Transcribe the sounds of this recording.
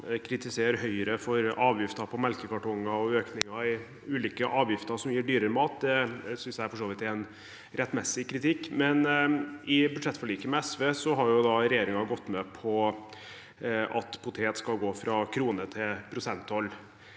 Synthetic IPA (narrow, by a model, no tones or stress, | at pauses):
kʰɾɪt̪ɪseːəɾɦœʏəɾəfɔɾʔɑːʋjɪft̪ɑpʰɔmɛlkəkɑʈɔŋːɑɔøːknɪŋɑɪ | ʉːliːkəʔɑːʋjɪft̪əsɔmjiːɖyːɾəɾəmɑːt̪d̪ɛsʏnsjææfɔʂoːʋɪt̪ɛn | ɾɛt̪ːmɛsːɪkʰɾɪt̪ʰɪkːmɛnɪbʉd̪ʂɛt̪ːfɔɭiːkəmɛɛsʋeːsɔɦɑɾjʊd̪ɑɾɛjeːɾɪŋɑɡɔt̪ːmɛpʰɔ | ʔɑt̪pʰʊt̪ʰeːt̪skɑlɡoːfɾɑkʰɾuːnət̪ʰɪpʰɾʊsɛnt̪ɔlː